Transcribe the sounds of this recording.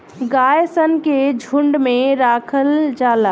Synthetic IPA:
ɡajsənked͡ʒʱuɳɖmẽɾakʰəld͡ʒaːla

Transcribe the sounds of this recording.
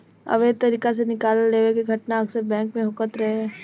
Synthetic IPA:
ɐ̰ʋeːt̪ɐɾiːkas̬enɪkaːlːeːʋekeɡʱɐʈnaɐksəɾbɛ̃ːŋkmẽɦʊkət̪ɾɐɦeɦɛː

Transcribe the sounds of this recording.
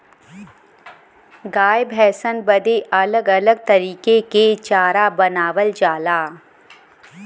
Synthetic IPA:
ɡaːjbɦɛːsənbɐd̪eʔɐləɡɐləɡ̚t̪ɐɾiːkeket͡ʃaːɾabɐnaːʋəld͡ʒaːlaː

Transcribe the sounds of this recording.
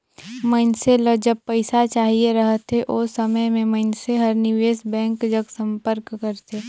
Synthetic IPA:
məɪnseləd͡ʒəb̚pəɪsat͡ʃaːɦieɾəɦt̪eʔosəməjmẽmɐɪnseɦɐɾnɪʋeːsbɛ̃ːŋkd͡ʒəɡsə̃mpəɾkːəɾt̪eː

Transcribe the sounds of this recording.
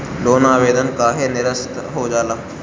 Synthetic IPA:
loːnaːʋeːd̪ənkaːɦenɪɾəst̪ɦoːd͡ʒaːlaː

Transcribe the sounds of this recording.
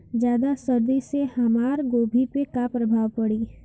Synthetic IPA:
d͡ʒjaːd̪asɐɾd̪isehɐmaːɾɡoːbʱipekapɾəbʱaːʋpɐɽiː

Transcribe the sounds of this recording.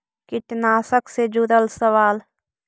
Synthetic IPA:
kɪʈnaːsəksed͡ʒuɾəlsəʋaːl

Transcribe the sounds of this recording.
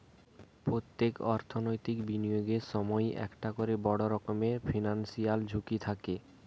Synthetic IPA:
pɾot̪ːekɔ̰ɾt̪ʰonojt̪ikbinijoɡeʃɔmɔjɛ̰kʈakoɾebɔɽoɾɔkomefʰinansijald͡ʑʱukit̪ʰake

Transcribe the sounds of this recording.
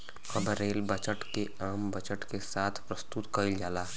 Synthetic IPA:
ɐbɾeːlbət͡ʃəʈkeaːmbət͡ʃəʈkesaːt̪ʰpɾəst̪ut̪kəild͡ʒaːlaː

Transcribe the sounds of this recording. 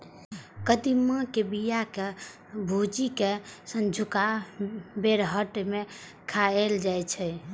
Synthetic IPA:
kəd̪imə̃kebijake | bʱud͡ʒikesə̃nd͡ʒʱuka | beɾɦəʈme | kʰaeld͡ʒajt͡ʃʰɛ

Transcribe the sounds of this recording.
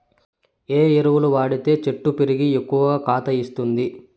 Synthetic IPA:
eːeɾuʋuluʋaːɽit̪e̞ːt͡ʃe̞ʈːupeɾiɡiekːuʋɐkaːt̪ɐist̪und̪i

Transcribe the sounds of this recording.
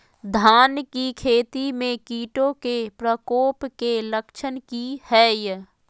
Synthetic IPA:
d̪ʱaːnkikʰeːt̪imẽkiːʈõkepɾəkoːpkeləkʃʰənkihɛːj

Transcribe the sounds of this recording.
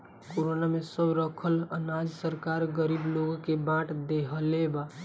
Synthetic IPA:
koɾonamesəbɾəkʰələnad͡ʒsəɾkaɾɡəɾibloɡkebãʈd̪eɦəleba

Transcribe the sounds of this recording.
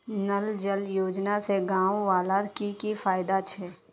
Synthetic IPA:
nəld͡ʒəljoːd͡ʒnaseɡãːwuʋaːlaːɾkikifaːjɪd̪at͡ʃʰɛː

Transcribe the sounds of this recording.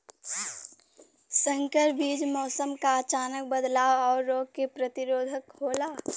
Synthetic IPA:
sə̃ŋkəɾbiːd͡ʒmɔːsəmkaət͡ʃaːnək̚bəd̪laːwɔːɾːoːɡ̚kepɾət̪ɪɾoːd̪ʱəkhoːlaː

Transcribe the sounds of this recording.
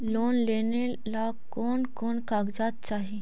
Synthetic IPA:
loːnleːne | la | koːnkoːnkaːɡd͡ʒaːt̪̚t͡ʃaːɦi

